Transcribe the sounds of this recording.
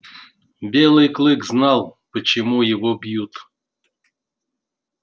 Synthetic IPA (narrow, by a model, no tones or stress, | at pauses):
bʲelˠɨjklˠɨkznɑlˠpət͡ɕɪmujɪvobjut̪